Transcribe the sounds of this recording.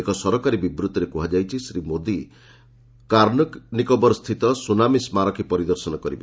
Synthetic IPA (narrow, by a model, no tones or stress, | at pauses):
ekɔsɔɾɔkaɾibibɾut̪ːɔɾekuɦad͡ʒajt͡ʃʰisɾimod̪i | kaɾnɔknikɔbɔɾɔst̪ʰit̪ɔsunamismaɾɔkʰipɔɾid̪ɔɾsɔnɔkɔɾibe